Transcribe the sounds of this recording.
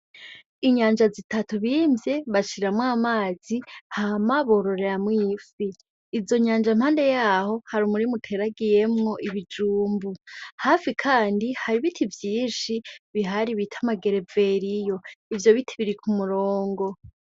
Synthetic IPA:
iɲaːnd͡ʒazitatuβimbje̞βaʃiɾamwaːmaːz̥ihamaβo̞ɾo̞ɾe̞ɾamwifiː | zo̞ɲaːnd͡ʒam̥haːnde̞jaːho̞haɾumuɾimutʰe̞ɾaɡije̞mŋo̞ʔiβid͡ʒuːmbuhafikʰaːndihaɾiβitʰivjiːnʃiβiɦaɾiβitʰamaɡe̞ɾe̞ve̞ɾijo̞ivjo̞βitʰiβiɾikʰumuɾoːŋɡo̞

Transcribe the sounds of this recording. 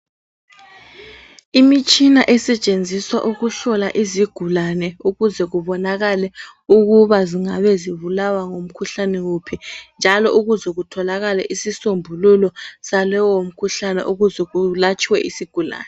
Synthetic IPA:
imit͡ʃʼinaʔɛsɛt͡ʃʼend͡zʱiswaʔuɣuɬɔlaʔiziɡ̥ʱulanɛuɣuzɛɣuβɔnaɣalɛ | uɣuβaziŋaβɛziβulawaŋom̩kʰuɬanɛɣupʰind͡ʒʱalɔʔuɣuzɛɣutʰɔlaɣalɛʔisisombʱululɔsalɛwom̩kʰuɬanɛ̰ʔuɣuzɛɣulat͡ʃʼiwɛʔisiɡ̥ʱula̰ːnɛ

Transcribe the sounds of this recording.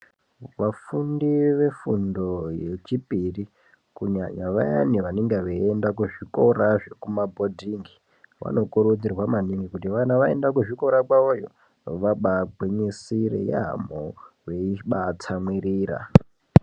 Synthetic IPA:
ʋafundiʋe̞fundo̞je̞t͡ʃipiri | kuɲaɲaʋa̰ja̰niʋaneŋɡeʋeendakuʐiko̞ɾaʐekumabʱo̞dʱiŋɡi | ʋa̰no̞kuɾud͡zirwamaniŋɡikutiʋanaʋae̞ndakuʐiko̞ɾakwaojo | ʋaɓaɡʱweɲisirḛja̰ɦa̰moʋeiɓat͡sʰamwiriːra̰

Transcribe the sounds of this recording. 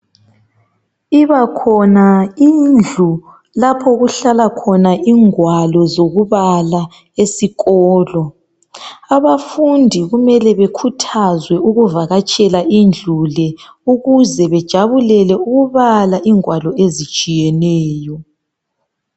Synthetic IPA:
iβakʰɔnaind͡ɮʱu | lapʰɔɣuɬalakʰɔnaʔiŋwalɔzoɣuβala | esiɣɔːlɔ | aβafundʱiɣumɛlɛβekʰutʰazwɛuɣuvaɣat͡ʃʼɛlaʔind͡ɮʱulɛ | uɣuzɛβɛd̥ʒ̥ʱaβulɛlɛuɣuβalaʔiŋwalɔezi̥t͡ʃʼijɛnɛːjɔ

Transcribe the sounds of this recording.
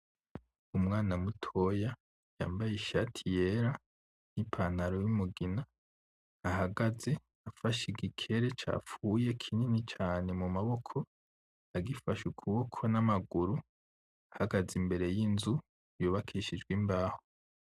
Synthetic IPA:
umŋaːnamutʰo̞ja | ja̰ːmbajiʃatʰijeɾa | n̥ipʰan̥haɾojumuɡinaː | haɡaze̞ | afaʃiɡikʰe̞ɾe̞t͡ʃa̰ːfujekʰininit͡ʃaːne̞mumaβo̞kʰo̞ | aɡifaʃukʰuβokʰo̞namaɡuɾu | ahaɡazimbe̞ɾe̞jinzu | joβakʰiːʃid͡ʒɡwimbaːho̥

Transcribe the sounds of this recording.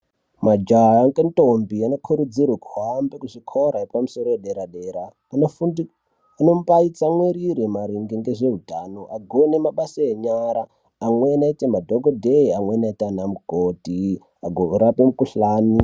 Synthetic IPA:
mad͡ʒaaŋɡentʼombianokʰuɾud͡zirwakuɦambekuʐikʰoɾaepamuso̞ɾojeɗeɾaɗeɾaː | nofundi | anompait͡samweɾiɾemaɾiŋɡeŋɡeʐeɦudʱanoʔaɡʱonemaɓasaeɲaɾaː | mwe̞naitemadʱoɡʱodʱeamwenaitanamuɡʱoti | aɡʱouɾapemukuɬaːni

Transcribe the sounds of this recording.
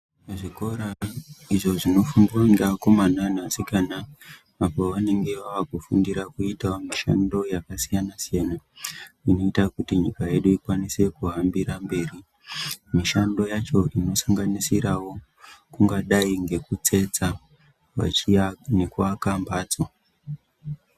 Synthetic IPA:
ʐiko̞ɾaiʐo̞ʐino̞fumbiwaŋɡeako̞mananasikanaː | po̞ʋane̞ŋɡe̞ʋaʋakufundiɾakuitaomiʃa̰ndo̞jakasijanasijanaino̞itakutiɲikaje̞ɗuikwanise̞kuɦambiɾambe̞ːri | miʃando̞jat͡ʃo̞ino̞saŋɡanisiɾawo̞ | kuŋɡaɗaiŋɡe̞kut͡se̞t͡sa | ʋa̰iane̞kuakambaːd͡zo

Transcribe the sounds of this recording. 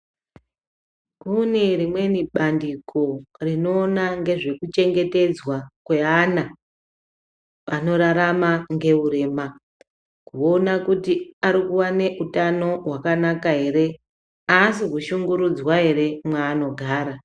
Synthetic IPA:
kune̞rimwe̞niɓandikʰo̞rino̞ːnaŋɡe̞ʐe̞kut͡ʃe̞ŋɡe̞te̞d͡zwakwe̞ana | ʋano̞ɾaɾamaŋɡe̞uɾe̞ːma | kuonakutiaɾikuwane̞ʔutano̞ɦwakanakaɦe̞ɾe̞ | asikuʃuŋɡuɾud͡zwaɦe̞ɾe̞mwaːno̞ɡʱaːɾa

